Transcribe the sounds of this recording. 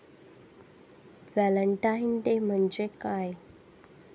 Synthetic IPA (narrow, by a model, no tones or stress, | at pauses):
ʋæləɳʈaint̪em̤əɳd͡ʑekaj